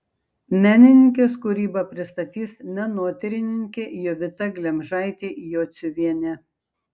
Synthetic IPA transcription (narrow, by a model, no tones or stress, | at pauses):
mʲæːnʲɪnʲɪŋʲk̬ʲeːskʊɾʲiːbɐpʲɾʲɪst̪ɐt̪ʲiːsmʲɛnuɔt̪ʲɪɾʲɪnʲɪŋʲkʲeːjoʋʲɪt̪ɐɡlʲɛmʲʒɑˑɪt̪ʲeːjoːt̪sʲʊʋʲiɛnʲɛ